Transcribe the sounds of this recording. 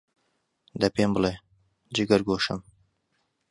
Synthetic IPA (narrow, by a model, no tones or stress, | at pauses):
d̪ɐpeːmbɨleː | d͡ʒiɡɐɾɡoːʃɨ̰m